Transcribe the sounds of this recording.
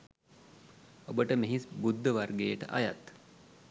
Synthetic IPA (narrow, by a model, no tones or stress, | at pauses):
obəʈəmeɦisbud̪ːəʋarɡeːʈə̰ʔajat̪